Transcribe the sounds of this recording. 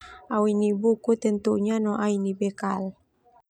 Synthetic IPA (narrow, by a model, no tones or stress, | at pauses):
awinibukut̪ənt̪uʔɲanɔʔainibekal